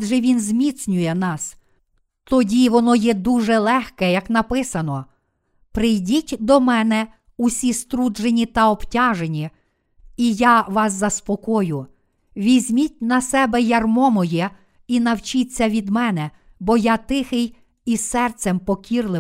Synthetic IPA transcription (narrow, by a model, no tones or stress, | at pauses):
ʒɛʋʲinzʲmʲit͡s̪ʲnʲʊjɛnɑs | t̪ɔdʲiʋɔnɔjɛd̪uʒɛlˠɛxkɛjɐknɐpɪsɐnɔ | pɾɪjdʲitʲd̪ɔmɛnɛ | ʊsʲist̪ɾudd͡ʒenʲit̪ɐɔptʲɑʒenʲi | ijaʋɑs̬zɐspɔkɔjʊ | ʋʲizʲmʲitʲnɐsɛbɛjɐrmɔmɔjɛ | inɐwt͡ʃit͡sʲːɐʋʲid̪mɛnɛ | bɔjat̪ɪxɪj | isɛrt̪sɛmpɔkʲirlˠɪ